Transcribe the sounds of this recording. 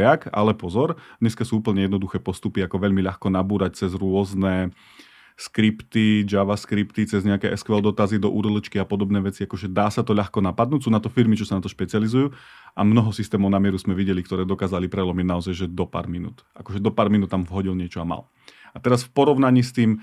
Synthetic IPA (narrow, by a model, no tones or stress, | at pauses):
aka̰lɛpɔzɔɾd̪ɲɛskasuːuːpl̩ɲɛjɛd̪nɔd̪uxɛːpɔst̪upiakɔʋɛʎmiʎaxkɔnabuːɾac̚t͡sɛzɾʊɔznɛ | skɾipt̪id͡ʒaʋaskɾipt̪it͡sɛzɲɛakɛːʔɛskʋɛld̪ɔt̪azid̪ɔʔṵːɾɔlɔt͡ʃkiapɔd̪ɔbnɛːʋɛt͡siakɔʒɛd̪aːsat̪ɔʎaxkɔnapad̪̚nuːcʲsuːnat̪ɔfiɾmit͡ʃɔsanat̪ɔʃpɛt͡sɪalizujuː | amnɔɦɔsist̪ɛːmɔʊnamɪɛɾusmɛʋiɟɛlikt̪ɔɾɛːd̪ɔkaːzalipɾɛlɔmiɟnaɔzajʒɛd̪ɔpa̰ːɾminṵːt̪ʔakɔʒɛd̪ɔpaːɾminuːt̪ːamvɦɔɟilɲɪɛt͡ʃɔama̰l | at̪ɛɾasfpɔɾɔʊnaɲiːst̪iːm